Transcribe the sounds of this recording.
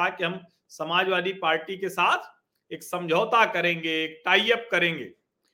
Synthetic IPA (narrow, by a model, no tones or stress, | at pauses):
akiɦɐm | sɐmaːd͡ʒʋaːd̪ʱipaːɾʈikesaːt̪ʰ | eːksɐ̃md͡ʒʱəːt̪akɐɾẽːŋɡeeːk̚ʈaːjəp̚kɐɾẽːŋɡḛː